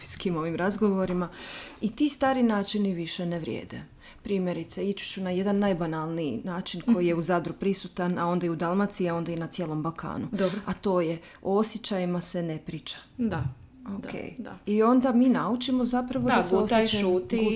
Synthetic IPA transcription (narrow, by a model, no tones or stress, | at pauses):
skimo̞ʋimɾazɡo̞ʋoɾimait̪ist̪aːɾinaːt͡ʃiniʋiʃe̞neʋɾʲjḛːd̪e | pɾiːmje̞ɾit̪seit͡ʃu̥t͡ɕunaje̞d̪anːajbanalˠniinaːt͡ʃinko̞jijeuzad̪ɾupɾisut̪anao̞nd̪ajud̪alˠmat̪siao̞nd̪ajenat̪sje̞ːlˠo̞mbalˠkʰa̰ːnud̪oboat̪o̞ːje̞ | oosjet͡ɕajimase̞ne̞pɾiːt͡ʃḁa | okʰḛːjd̪aio̞nd̪amiːnaut͡ʃimo̞zapɾaʋoaseosjet͡ʃaut̪i